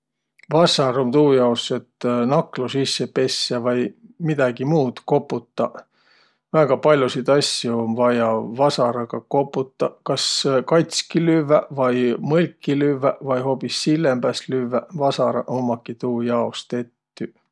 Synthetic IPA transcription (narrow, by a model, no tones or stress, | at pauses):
vɑsɑɾomt̪uːjɑosːet̪nɑklusisːepe̞sːɑvɑjmid̪̥ɑɡimuːd̪̥ko̞pːˑut̪ːɑ | væɡ̥ɑpɑlʲjusid̪ɑsjuonvɑjɑvɑsɑɾɑɡ̥ɑko̞pːˑut̪ːˑɑkɑskɑjt̪skilyvævɑjmɤlʲkːilyvːævɑjɦo̞pisːilːembæslyvːævɑsɑɾɑ̰ʔomːɑkːit̪uːjɑost̪e̞t̪ːy